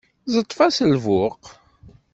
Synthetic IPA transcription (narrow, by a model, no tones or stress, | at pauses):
zˤət̪ˤːfæsəlvʊq